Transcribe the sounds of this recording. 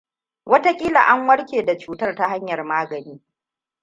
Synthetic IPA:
wɐ˦ta˦kʲʼiː˦la̰˨ʔa˦ŋwɐ˦rkʲeː˨da˨t͡ʃuː˦tɐ˦rta˦ha˦ɲjɐ˨rmaː˦ɡɐ˨niː˦

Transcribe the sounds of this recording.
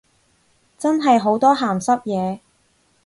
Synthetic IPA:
t͡sɐ˥nɦɐ˨jɦo˨˥wt̪ɔː˥ɦaː˨˩msɐ˥p̚jɛː˨˧

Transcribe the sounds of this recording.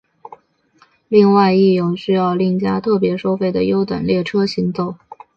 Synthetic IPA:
li˥˧ŋwa˥˧ɪi˥˧jʊ˥˩ŋɕy˥jɑ˥˧ʊli˥˩ŋt͡ɕja˥t̪ʰɤ˥˩pjɛ˧˥ʂo˥ʊfe˥˩ɪd̪ə˩jo˥ʊt̪wa̰˨˩nljɛ˥˩ʈ͡ʂʰɤ˥ɕi˧˥ŋt̪o˥˩ʊ

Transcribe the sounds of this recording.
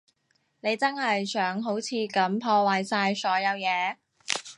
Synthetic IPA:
ne˨˧jt͡sɐ˥nhɐ˨jsœː˨˥ŋɦo˨˥wt͡sʰiː˨˧kɐ˨˥mpʰɔː˧waː˨jsaː˧jsɔː˨˥jɐ˨˧wjɛː˨˧

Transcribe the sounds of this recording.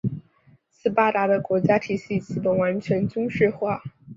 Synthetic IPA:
sɹ̩˥pa˥t̪a˧˥d̪ə˧kwɔ˧˥t͡ɕja˥t̪ʰi˨˩ɕi˥˩t͡ɕi˥˩pə˨˩wa˧˥nt͡ɕʰɥɛ˧˥nt͡ɕʊ˥ŋʂɻ̩˥˧xwa˥˩

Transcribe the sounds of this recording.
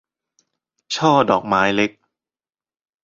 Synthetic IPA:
t͡ɕʰɔː˥˩dɔː˨˩k̚maː˦˥jle˦˥k̚

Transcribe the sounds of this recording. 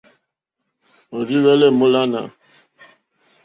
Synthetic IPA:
o˨ɾi˦wɛ˦lɛ˦˨mu˦la˦na̰˨

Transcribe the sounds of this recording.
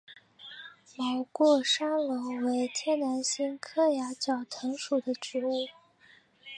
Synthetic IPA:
mɑ˨˧˩ʊkwɔ˥˩ʂa˥ŋlo˧˥ʊwe˧˥ɪt̪ʰjɛ˥na˧˥nɕi˥nkʰɤ˥ja˧˥t͡ɕjɑ˨˩ʊt̪ʰɤ˧˥ŋʂu˨˩d̪ə˦ʈ͡ʂɻ̩˧˥u˥˩

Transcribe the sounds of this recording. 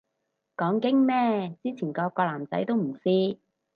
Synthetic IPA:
kɔː˨˥ŋkɪ˥ŋmɛː˥t͡siː˥t͡sʰiː˨˩nkɔː˧kːɔː˧laː˨˩mt͡sɐ̰˨˥jt̪o˥wm̩˨˩siː˥

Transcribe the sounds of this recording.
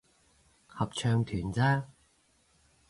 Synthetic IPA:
hɐ˨p̚t͡ʃʰœː˧ŋt̪ʰyː˨˩nt͡saː˥

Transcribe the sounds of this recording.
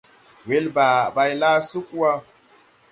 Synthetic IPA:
we˦lba˨ba˨jla˦su˦ku˦wa˦

